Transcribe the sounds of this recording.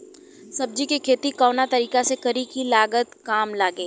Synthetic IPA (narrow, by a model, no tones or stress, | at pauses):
sɐb̚d͡ʒikekʰeːt̪ikɔːnat̪ɐɾiːkasekɐɾikilaːɡət̪kaːmlaːɡeː